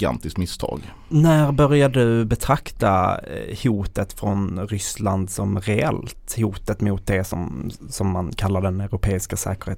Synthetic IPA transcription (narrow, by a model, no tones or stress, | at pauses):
ɡa̰nt̪ɪskmɪst̪ʰɑ̰ːɡ | næɾbœɾjad̪əɵbɛt̪ʰɾakt̪ahuːt̪ət̪fɾɔnɾʏsland̪sɔmɾɛɛ̰lt̪huːt̪ət̪mʊːt̪̚d̪ɛsɔmsɔmːankʰalːaɖ̪ɛnɛɾʊpʰeːɪskasɛ̰ːkəɾheːt̪